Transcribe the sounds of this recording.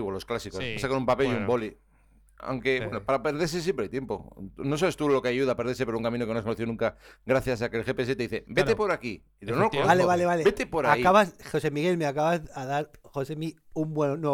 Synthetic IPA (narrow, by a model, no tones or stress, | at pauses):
ɣolo̞sklasikospasakonumpapeliumbo̞li | a̰wŋke̞βwenopaɾape̞ɾð̞eses̬jempɾeajt̪jempo̰no̞saβe̞st̪ulo̞kaʝuðapeɾðes̬epeɾouŋkamĩnokenoaskonoθiðnũŋkaɡɾaθjas̬akelxepes̬et̪eiθebet̪epo̞ɾaki | ienoookoaleβaleβalebet̪epo̞ɾaaikaβasxo̞se̞miɣelmeakaβazaðaɾxosemi | umbwene